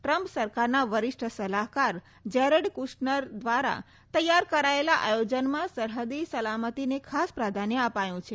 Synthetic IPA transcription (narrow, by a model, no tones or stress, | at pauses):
ʈɾəmpsəɾkaɾnaʋəɾɪʂʈʰəsəlaɦkaɾ | d͡ʒɛɾəɖkuʃnəɾd̪ʋaɾa̰ | t̪əjːaɾkəɾaelaʔajod͡ʒənmãsəɾɦəd̪isəlamət̪inekʰaspɾad̪ʱanjəəpajũt͡ʃʰe